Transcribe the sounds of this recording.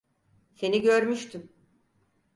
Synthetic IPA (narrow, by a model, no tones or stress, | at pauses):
se̞niɟøɾmyʃt̪ʰym